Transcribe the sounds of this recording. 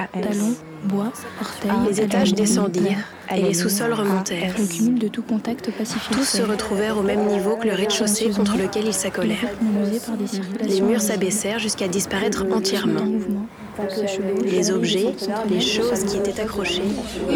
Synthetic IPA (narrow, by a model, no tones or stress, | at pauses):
t̪alɔ̃ | bwapɔʁt̪lezet̪aʒd̪esɑ̃d̪iʁ | elesusɔlʁəmɔ̃t̪ɛːʁkyld̪ət̪ukɔ̃t̪akt̪pasift̪usːəʁət̪χuvɛʁomɛmnivokələʁed̪ʃosekɔ̃t̪χələkʲɛlilsakɔlɛʁzaʁd̪elemyʁsabɛsɛʁʒyskad̪ispaʁɛt̪χɑ̃t̪jɛʁmɑ̃ | lezɔbʒɛleʃozkʲiet̪ɛt̪akχɔʃe